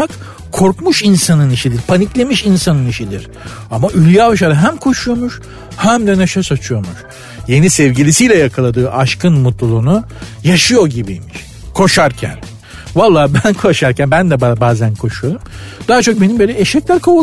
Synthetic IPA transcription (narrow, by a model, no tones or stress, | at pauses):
ak | kʰo̞ɾkmuʃinsanɯniʃid̪ʲiɾpʰaniclʲe̞miʃinsanɯniʃid̪ʲiɾ̥ | amaʔylʲjaːbɯʃ̬aɾɯɦæmkʰo̞ʃujo̞muʃ | hæmd̪ɛneʃasat͡ʃʰujo̞muʃ | je̞nisɛvɟilʲisijlʲɛjakʰalˠad̪ɯːʔaʃkʰɯnmut̪lˠulˠuːnu | jaʃɯjo̞ɟibijmiʃ | kʰo̞ʃaɾcʰæ̰n | valˠːaːbænkʰo̞ʃaɾcʰænbænd̪ɛbbaːzænkʰo̞ʃujo̞ɾumd̪̥aːat͡ʃʰo̞k̚be̞nimbølʲɛeʃɛclʲæɾkʰa